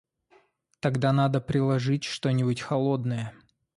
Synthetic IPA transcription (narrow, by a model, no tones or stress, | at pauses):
t̪ɐɡd̪anad̪əpɾʲɪlˠɐʐɨtʲʂt̪onʲɪbʊtʲxɐlˠod̪nəjə